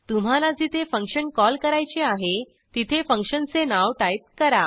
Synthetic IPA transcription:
t̪um̤alad͡ziːt̪efəŋkɕənkɔlkəɾajt͡ɕeaɦe | t̪it̪ʰefəŋkʂənt͡senaʋʈajt̪̚kəɾa

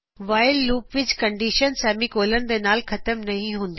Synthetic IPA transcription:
ʋaːɪlːuːpʋɪt͡ɕkɐ̃ɳɖiːʃənsɛːmikoːlənɪ̆d̪enaːlxɐt̪əmnɐɦĩɦũːn̆d̪

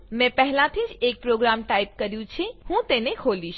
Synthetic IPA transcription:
mɛ̃pɛɦlãt̪ʰid͡ʒek̚pɾoɡɾamʈajp̚kəɾjũt͡ʃʰehũt̪enekʰoliʃ

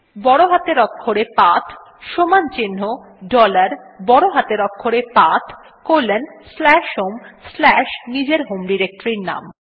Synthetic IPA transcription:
bɔɽoɦat̪eɾɔkʰːoɾepat̪ʰ | ʃomant͡ɕinːo | ɖɔlaɾbɔɽoɦat̪eɾɔkʰːoɾepat̪ʰ | koɾlːenslɛʃɦomslɛʃnid͡ʑeɾɦomɖiɾek̚ʈɾiɾna̰m

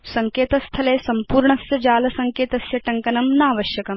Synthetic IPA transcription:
sɐŋkeːt̪ɐst̪ʰɐleːsɐmpuːɾɳɐsjɐd͡ʒaːlɐsɐŋkeːt̪ɐsjɐʈɐŋkɐnɐmnaːʋɐʃjɐkɐm

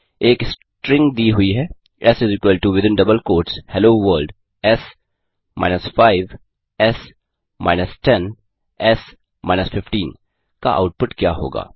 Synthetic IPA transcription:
eːks | ʈɾɪ̃ŋɡd̪iːɦʊiɦɛː | ɛsɪzɪkwəlʈuʋɪd̪ɪ̃nɖɐbəlkoːɾʈshɛloːʋəːɾlɖ | ɛs | maːɪnəsfaːɪʋ | ɛs | ma̰ːɪnəsʈɛn | ɛs | ma̰ːɪnəsfɪfʈiːn | ka̰ʔa̰ʊʈ̚pʊʈkjaːɦo̰ːɡa̰ː

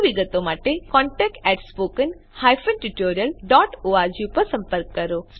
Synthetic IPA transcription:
ʋiɡət̪omaːʈekɔ̃ːɳʈɛːk̚ʈɛʈspoːkən | haːjfənʈiʈoːɾijəlɖɔːʈoaɾd͡ʒipəɾsɐ̃mpəɾkːəɾoː

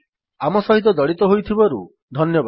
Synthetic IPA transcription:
amɔsɔɦit̪ɔd̪ɔɽit̪ɔɦojt̪ʰibɔɾṵ | d̪ʱɔnjɔb

